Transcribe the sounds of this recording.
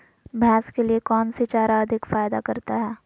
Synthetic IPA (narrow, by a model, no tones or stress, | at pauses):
bʱjaːskeliekɔːnset͡ʃaːɾaɐd̪ʱɪkfaːjd̪akɐɾt̪aɦɛː